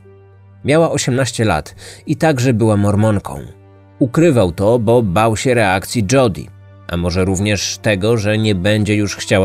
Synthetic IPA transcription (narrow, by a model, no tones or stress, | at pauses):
mʲjawaʔɔɕɛmnaɕt͡ɕɛla̰t̪it̪aɡʐɛbɘwamɔɾmɔŋkʰɔ̰̃w̃ | ukɾɘvawt̪ɔbɔbawɕɛɾɛakt̪sʲjid͡ʐɔd̪ʲḭ | ʔa̰mɔʐɛɾuvɲɛʂt̪ɛɡɔʐɛɲɛbɛɲd͡ʑɛjuʂxt͡ɕawa